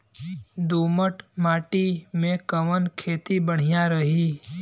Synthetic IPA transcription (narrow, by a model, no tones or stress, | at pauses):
d̪uːməʈmaːʈimẽkəʋənkʰeːt̪ibəɽ̤ijaɾəɦi